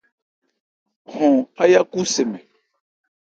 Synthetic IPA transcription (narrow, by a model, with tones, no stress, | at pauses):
hɔ̃˨ha˦ja˦ku˦se˨mɛ̃˨